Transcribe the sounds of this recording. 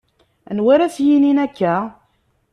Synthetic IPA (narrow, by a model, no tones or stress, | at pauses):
nwæɾæsjininækːæ